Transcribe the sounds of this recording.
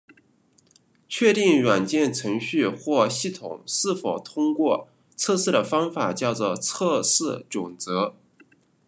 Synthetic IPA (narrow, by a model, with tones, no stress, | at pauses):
t͡ɕʰɥɛ˥˧t̪i˥˩ŋɻwa˨˩nt͡ɕjɛ˥˩nʈ͡ʂʰɤ˧˥ŋɕy˥˧xwɔ˥˧ɕi˥˩t̪ʰʊ̰˨˩ŋʂɻ̩˥˩fo˨˩ʊt̪ʰʊ˥ŋkwɔ˥˧ | t͡sʰɤ˥˧ʂɻ̩˥˩ɾə˩fɑ˥ŋfa˨˩t͡ɕjɑ˥˩ʊt͡sɔ˨˩t͡sʰɤ˥˧ʂɻɹ̩˥˩ʈ͡ʂʊ˨˩ŋt͡sɤ˧˥